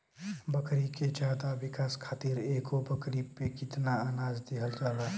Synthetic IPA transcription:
bəkɾiked͡ʒjaːd̪aʋɪkaːskʰaːt̪iːɾeːkobəkɾipekɪt̪naaːnaːd͡ʒd̪eɦəld͡ʒaːlaː

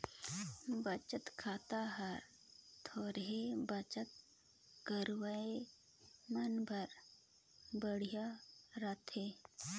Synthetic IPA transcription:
bət͡ʃət̪kʰaːt̪aɦəɾ | t̪ʰoːɾɦebət͡ʃət̪̚ | kəɾwae | mənbʱəɾ | bəɽ̤ijaɾat̪ʰe

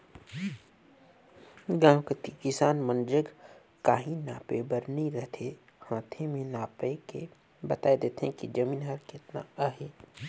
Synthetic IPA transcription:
ɡãːwkət̪ikɪsaːnmənd͡ʒəɡ | kaːɦĩnaːpebəɾnĩɾɛɦt̪ʰe | hãːt̪ʰemẽnaːpekḛ | bɐt̪aːed̪eːt̪ʰɦẽkid͡ʒɐmiːnɦɐɾkɪt̪na̰aːɦeː

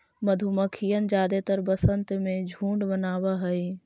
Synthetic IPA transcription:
məd̪ʱuməkʰijənd͡ʒaːd̪et̪əɾbəsənt̪mẽd͡ʒʱũːɳɖbənaːʋaɦəi

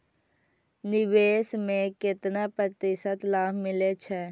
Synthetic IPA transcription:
nɪʋeːsmẽkɪt̪napɾət̪ɪsət̪laːbʱmɪlet͡ʃʰɛː

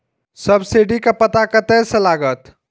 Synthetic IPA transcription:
səbsiɖikapɐt̪akɐt̪eselaːɡət̪

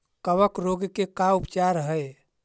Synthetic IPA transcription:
kəβəkɾoɡkekaupt͡ʃaɾɦəj

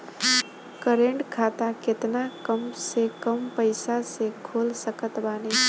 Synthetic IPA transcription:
kəɾeɳʈkʰat̪aket̪nakəmsekəmpəɪsasekʰolsəkət̪baːne

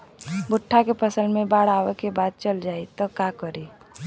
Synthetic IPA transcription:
bʊʈʰːakepʰəsəlmẽbaːɽaːʋekebaːd̪̚t͡ʃəld͡ʒaːit̪ɔkakəɾi

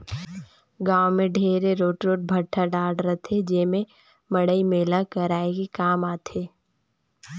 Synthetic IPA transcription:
ɡaːwmẽɖʱeːɾeɾoːʈɾoːʈ̚bʱɐʈʰːaɖaːɽɾɐt̪ʰed͡ʒeːmẽ | mɐɽəimeːlakəɾaːeɡikaːmaːt̪ʰeː

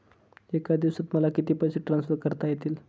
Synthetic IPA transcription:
ekad̪iʋsət̪məlakit̪iːpəjɕiʈɾãnsfəɾkəɾt̪ajet̪iːl

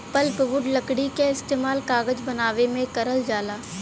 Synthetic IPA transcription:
pəlpʋʊɖlɐkɽikeɪst̪eːmaːlkaːɡəd͡ʒbɐnaːʋemẽkɐɾəld͡ʒaːlaː

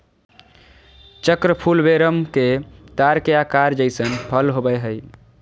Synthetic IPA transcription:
t͡ʃəkɾəpʰulbeɾəmket̪aɾkeakaɾd͡ʒəɪsənpʰəlɦobɛɦəj

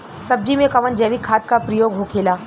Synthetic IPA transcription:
sɐb̚d͡ʒimẽkɐʋənd͡ʒɛːʋikʰːaːt̪̚kapɾəjoːɡɦokʰeːlaː

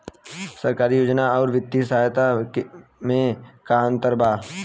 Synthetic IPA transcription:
sɐɾkaːɾijoːd͡ʒnaɔːɾʋɪt̪ːisəɦajt̪a | mẽkaə̃nt̪əɾbʱaː

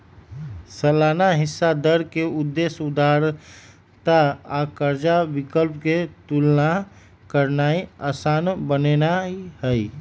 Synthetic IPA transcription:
səlaːnaɦɪsːad̪əɾkeʊd̪ːesud̪aɾ | t̪aːkəɾd͡ʒabɪkəlpket̪ulna | kəɾnaːia̰ːsaːnbənenaihəi

